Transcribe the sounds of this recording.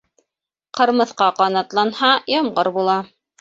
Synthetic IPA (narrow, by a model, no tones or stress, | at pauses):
qɤ̆ɾmɤ̆θqɑqɑnɑt̪lˠɑnhɑjɑmʁɤɾbulˠɑ